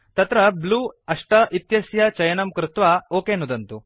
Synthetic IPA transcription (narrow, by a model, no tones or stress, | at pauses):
t̪ɐt̪ɾɐbluːɐʂʈɐʔit̪jɐsjɐt͡ʃɐjɐnɐmkɾut̪ʋaoːkeːnud̪ɐnt̪u